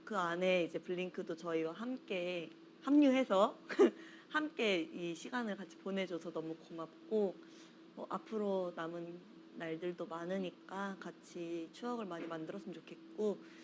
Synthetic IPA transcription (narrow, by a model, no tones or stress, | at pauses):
kɯane̞id͡ʑe̞pɯɭːiŋkʰɯdot͡ɕʌiwaɦamk͈e̞ | hamɲuɦe̞sʰʌ | hamk͈e̞iɕʰiɡanɯɭkat͡ɕʰi̥pone̞d͡ʑosʰʌnʌmukomap̚k͈o | mʌʔapʰɯɾonamɯnː | aɭdɯɭdomanɯɲik͈akat͡ɕʰit͡ɕʰuʌɡɯɭmaɲimandɯɾʌsʰɯmt͡ɕokʰe̞t̚k͈o